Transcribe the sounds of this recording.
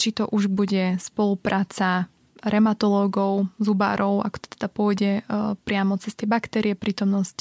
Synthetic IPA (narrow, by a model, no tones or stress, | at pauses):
t͡ʃit̪ɔʔuʒbuɟɛspɔlupɾʔaːt͡sa | ɾɛmat̪ɔlɔːɡɔʊzuba̰ɾɔʊa̰kɔ̥t̪ɔ̥t̪ɛd̪apʊɔjɟɛpɾɪamɔt͡sɛst̪ɛjɛbakt̪ɛɾiɛpɾiːt̪ɔmnɔsci̥